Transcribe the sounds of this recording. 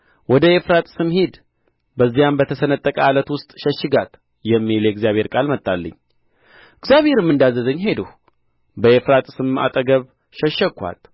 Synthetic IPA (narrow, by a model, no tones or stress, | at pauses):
wɔd̪əefɾat̪ʼsɨmhid̪ | bəzːijambət̪ʰəsənət̪ʼːəkʼəalət̪wʊst̪ʼʃɛʃːɪɡat̪ | jɛmːiljɛɡzijaβhe̞ɾkʼalmət̪ʼːalːə̰ɲː | ɪɡzjaβhe̞ɾɨmːɨnd̪azːəzəɲːɦe̞d̪əh | bəefɾat̪ʼsɨma̰t̪ʼəɡəβ | ʃəʃːəkʷʰːa̰t̪